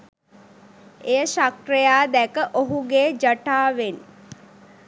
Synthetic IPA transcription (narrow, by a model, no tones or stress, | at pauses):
ejəʃakrejaːd̪ækəʔoɦuɡeːd͡ʒəʈaːʋen